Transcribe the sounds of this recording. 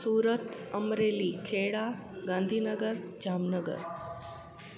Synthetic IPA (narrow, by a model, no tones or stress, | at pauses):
suːɾət̪əmɾelikʰeɽaɡãnd̪ʱiːnəɡəɾd͡ʒaːmnəɡə̰ɾ